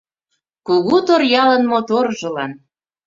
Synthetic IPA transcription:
kuɣut̪orjɑlə̆nmot̪orʒɤ̆lɑn

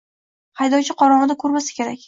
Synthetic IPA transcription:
hɑjd̪ɒwt͡ʃʰɪqʰɒɾɒʁɨd̪akʰɵɾmasɪ̥kʲe̞ɾakʲ

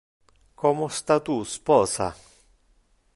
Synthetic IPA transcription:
kʰɔmost̪at̪uspɔːsa̰

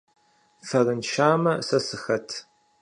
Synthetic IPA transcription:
fɐrɨnʃaːmɐsɐsɨxɐtʰ

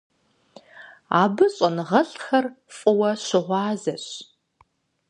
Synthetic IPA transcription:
aːbɨɕʼɐnɨʁɐɬʼxɐr | fʼʊwɐɕɪʁʷɑːzɐɕ

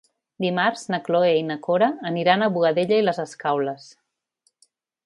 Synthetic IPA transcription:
d̪imarznəkloeinəkoɾəːniɾanəβuɣəðeʎəiləzəskawləs

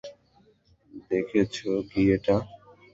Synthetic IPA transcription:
d̪ekʰet͡ɕʰokieʈa

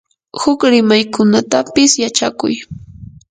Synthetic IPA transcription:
hʊkɾɪmajkʰʊnat̪apɪsjat͡ʃakʊ̰j

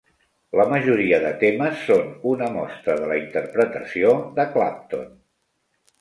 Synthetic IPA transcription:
ləməʒuɾiəðət̪eməsːonunəmɔst̪ɾəðələint̪əɾpɾət̪əsioðəkla̰p̚t̪o̰n

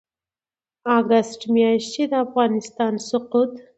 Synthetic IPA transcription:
ɑɡasʈmjɑʃt͡ʃed̪əafɣɑnɪst̪ɑnsʊqut̪

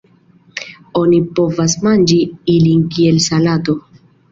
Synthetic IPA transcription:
onipo̞vasmand͡ʒiilinkielsalato̞

